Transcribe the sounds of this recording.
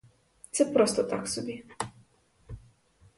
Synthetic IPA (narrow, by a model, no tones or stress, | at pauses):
t̪sɛpɾɔst̪ɔt̪aksɔbʲi